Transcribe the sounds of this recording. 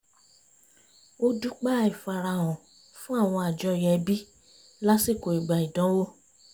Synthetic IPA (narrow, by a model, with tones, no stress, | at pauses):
o˦du˦k͡pa˦i˨fa˨ɾa˧˨wɔ̃˨ | fũ˦a˦˨w̃ɔ̃˧a˨d͡ʒɔ˧jɛ˧˦bi˦ | la˦si˦˨ko˨i˨ɡ͡ba˨i˨dɔ̃˨˦wo˦